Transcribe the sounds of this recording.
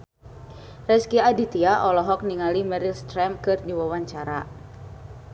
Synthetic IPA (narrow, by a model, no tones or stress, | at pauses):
rɛskiadit̪iaʔɔlɔɦɔk̚niŋalimɛɾilst̪ɾɛmkɨrdiwawaɲt͡ʃaɾa